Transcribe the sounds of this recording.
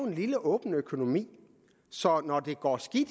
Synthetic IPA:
ʊe̝nliləʔɔ̽ːb̥n̩økʰo̝no̝mḭː | sɒ̽nɒd̥e̝ɡ̥ɒ̰ːsɡ̥id̥

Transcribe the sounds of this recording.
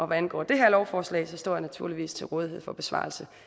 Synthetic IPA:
ʔɒ̽ʋæænɡ̥ɒ̰ːd̥e̝ɦeɐ̰lɒʊfɒːslɛ̰ɪsɒ̽sd̥ɔ̰ːjænæt͡sʰuɐ̰liʋḭːst͡sʰe̝lʁɔːð̞ˠie̝ð̞̰ˠfɒ̽b̥e̝sʋɑ̰̈ːlsə

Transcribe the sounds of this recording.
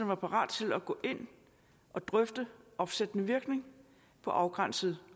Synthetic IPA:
nʋɑ̈pʰɑ̈ʁɑ̰̈ːd̥t͡sʰe̝læɡ̥ɔ̰̽ːʔe̝n̰ | ʔɒ̽d̥ʁœfd̥əʔɒ̽fsed̥ənəʋiɐɡ̥ne̝ŋ | pʰɒ̽ʔɑ̈ʊɡ̥ʁɑn̰səð̞̩ˠ

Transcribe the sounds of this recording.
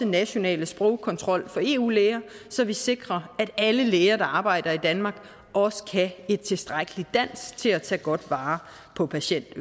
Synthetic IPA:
ənæɕo̝nɛ̰ːləsb̥ʁɔʊkʰɒ̽nt͡sʰʁɒ̽l̰fɒ̽e̝̰ːṵːleːɪɐsɒ̽ʋise̝ɡ̥ʁɐæɾ̥æləleːɪɐɾ̥ɑ̈ɑ̈ːb̥ɑ̈ɪ̰d̥ɐid̥ænmɑ̈ːɡ̥ | ɒ̽sə̥kʰæe̝d̥̚t͡sʰe̝sd̥ʁaɡ̥əlid̥æn̰sɡ̥t͡sʰe̝læt͡sʰɛ̰ːɡ̥ɒ̽d̥ʋɑ̈ː | pʰɒ̽pʰæɕen̰d̥ø

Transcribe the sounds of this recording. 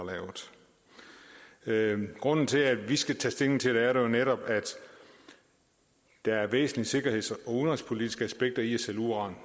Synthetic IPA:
lɛ̰ːʊð̩ˠ | ɡ̥ʁɔ̽n̰n̩t͡sʰe̝lædʋisɡ̥æt͡sʰɛsd̥e̝ŋn̩t͡sʰe̝d̥eæɐɾejo̝neɾɒ̽b̥æd̥ | d̥ɑ̈æɐʋḛːsn̩lise̝ɡ̥ɐɦhe̝̰sɒ̽uðnʁispʰo̝lidisɡ̥əæsb̥eɡ̥̚d̥ɐiæseluʁɑ̰̈ːn

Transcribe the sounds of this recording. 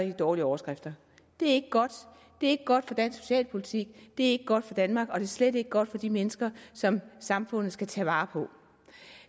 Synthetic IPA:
id̥ɒːliəɒʊɐsɡ̥ʁafd̥ɐ | d̥e̝æɐe̝ɡ̥əɡ̥ɒ̽d̥ | d̥e̝æɐe̝ɡ̥əɡ̥ɒ̽d̥fɒ̽d̥æn̰sːo̝̥ɕɛ̰ːlpʰo̝lit͡sʰiɡ̥̚d̥e̝æɐe̝ɡ̥əɡ̥ɒ̽d̥fɒ̽d̥ænmɑ̈ːɡ̥ɒ̽d̥e̝ɐsled̥e̝ɡ̥əɡ̥ɒ̽d̥fɒ̽d̥imenəsɡ̥ɐsɒ̽msɑ̈mfɔ̽n̰ð̩ˠsɡ̥æt͡sʰɛʋɑ̈ːpʰɒ̽

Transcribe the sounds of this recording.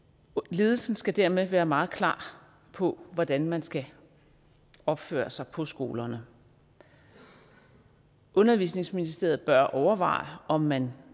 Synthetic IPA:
le̝ːð̞ˠl̩sn̩sɡ̥æd̥æɐmeʋæːɐmɑ̈ːð̞̩ˠkʰlɑ̰̈ː | pʰɒ̽ʋɒd̥ænmænsɡ̥æ | ɒ̽b̥fø̰ːɐsɑ̈ɪpʰɒ̽sɡ̥o̝̰ːlɐnə | ʔɔ̽nɐʋḭsne̝ŋsminisd̥e̝ɐb̥ɶɐʔɒʊɐʋɑ̰̈ɪ̰ɒ̽mːæn

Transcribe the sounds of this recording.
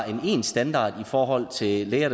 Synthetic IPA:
e̝ne̝̰ːnsd̥ænd̥ɑ̰̈ːd̥ifɒːɦɒ̽l̰t͡sʰe̝leːɐd

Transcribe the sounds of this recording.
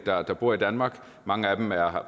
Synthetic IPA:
d̥ɑ̈d̥ɑ̈b̥uɐ̰id̥ænmɑ̈ːɡ̥ | mɑ̈ŋəæd̥emæɐ

